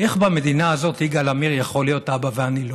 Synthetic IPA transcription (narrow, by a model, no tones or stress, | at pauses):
ʔe̞χbame̞d̪inaːzo̞t̪iɡalamiʁjaχo̞lijo̞t̪abaveanilo